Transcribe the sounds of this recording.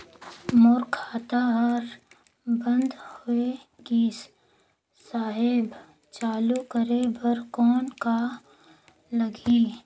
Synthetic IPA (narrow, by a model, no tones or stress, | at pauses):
mʊɾkʰaːt̪aɾ | bə̃nd̪hoe | ɡiːs | saːɦɪb | t͡ʃaːlukəɾebəɾkɔːnka | ləɡiː